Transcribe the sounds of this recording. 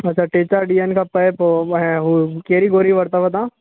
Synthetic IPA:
ɐtːʃʰaʈeːt͡ʃaɖijənkapɐpoɛ̃ɦukeːɾiɡoːɾiʋɐɾt̪abɐt̪ãː

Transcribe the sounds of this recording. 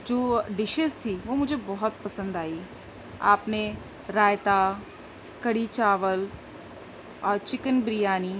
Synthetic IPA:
d͡ʒoːɖɪʃəst̪ʰiʋoːmʊd͡ʒʱebɔɦɔt̪̚pɐsə̃nd̪aːi | a̰ːpne | ɾaːjt̪aː | kɐɽit͡ʃaːʋəl | ɔːɾt͡ʃɪkənbɾɪjaːniː

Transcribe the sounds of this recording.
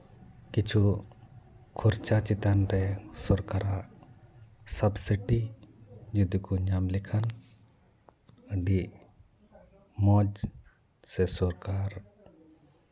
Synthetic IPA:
kit͡ʃʰu | kʰuɾt͡ʃat͡ʃit̪anɾɛsɔɾkaɾaʔ | sabsiʈi | d͡ʒud̪ukuɲamlikʰan | ɖiʔ | mɔd͡ʒ | sɛsɔɾkaɾ

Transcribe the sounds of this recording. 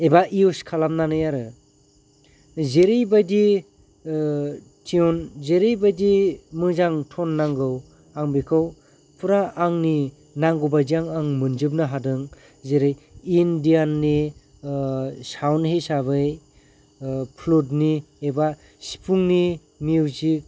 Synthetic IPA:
ebaʔiuskʰalamnanɯjaɾɯ | zeɾɯjbajdi | tʰiɔnzeɾɯjbajdimɯzaŋtʰɔnːaŋɡɯw | aŋbikʰɯw | pɯɾaːŋni | naŋɡobajdiaŋaŋmɯnd͡ʒɯp̚nɯɦadɯŋ | zeɾɯjindianːi | sawnhesaβɯj | pʰlodnieba | si̥pʰuŋni | miwzik̚

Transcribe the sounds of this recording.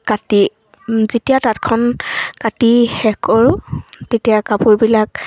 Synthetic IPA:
kati | zetijatat̚kʰɔnkatihɛkɔɹʊtetijakapuɹbilak̚

